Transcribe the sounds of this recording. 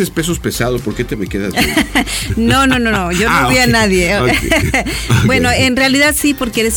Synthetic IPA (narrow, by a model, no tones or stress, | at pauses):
espe̞s̬ospe̞saðospoɾket̪emekeða | no̞no̞no̞noʝooβianaðje | bwe̞noe̞nrealiðaðsipo̞ɾkeeɾes